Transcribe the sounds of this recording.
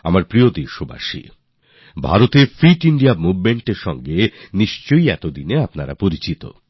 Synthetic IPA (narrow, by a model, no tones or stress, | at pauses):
a̰maɾpɾiod̪eɾʃoba̰ʃḭ | bʱa̰ɾot̪efɾiʈiɳɖiamubmeɳʈeɾʃɔŋɡeniʃt͡ɕojɛt̪od̪ineapnaɾa̰poɾit͡ɕit̪o̰